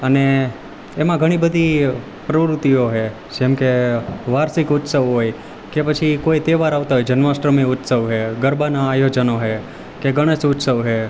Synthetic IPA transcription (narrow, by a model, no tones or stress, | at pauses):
əneː | mãɡʱəɽ̃ibəd̪ʱi | pɾəʋɾut̪ioɦe | d͡ʒemkeʋaɾsikʊt̪səʋɦoj | kepət͡ʃʰikoit̪eʋaɾaʋt̪aɦojd͡ʒənʋaʃɾəmiʊt̪səʋɦeɡəɾbanaːjod͡ʒənoɦe | keɡəɽ̃əsʊt̪səʋɦe